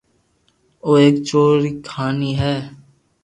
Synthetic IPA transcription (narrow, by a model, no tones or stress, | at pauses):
oːeːkt͡ʃoːɾiːkʰaːniːɦɛː